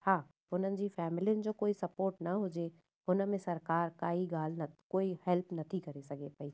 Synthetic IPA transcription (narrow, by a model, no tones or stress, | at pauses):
hãː | ʊn̤ənɪ̆d͡ʑiːfɛːmɪlijʊnɪ̆d͡ʑoːkoːisɐpoːɾʈnɐɦʊd͡ʑe | ʊnə̆mẽsɐɾkaːɾkaːiɡaːl̤nɐkoːihɛlpʰnɐt̪ʰikɐɾesɐɡʱepɐiː